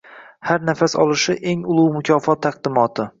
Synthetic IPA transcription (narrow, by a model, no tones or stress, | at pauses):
haɾnafasɒ̰lˠɪʃɪʔe̞ŋʊlˠuwmʊkʲʰɒːfɒt̪ʰːaq̚d̪ɪmɒt̪ʰɪ